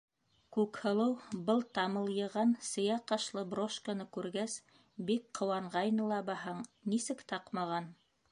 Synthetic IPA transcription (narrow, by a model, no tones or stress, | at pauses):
kʉkhɤ̆lˠɤwbɤlˠt̪ɑmɤlˠjɤ̆ʁɑnsɤ̆jɑqɑʃlˠɤbroʃkanɤkʉɾɡæs | bikqŏwɑɴʁɑjnɤ̆lˠɑbɑɦɑɴnisɘkt̪ɑqmɑʁɑn